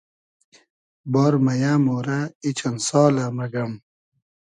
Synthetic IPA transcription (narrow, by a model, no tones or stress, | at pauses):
bɔːɾmɐjaːmoːɾait͡ɕɐnsɔːlɐmɐɡɐm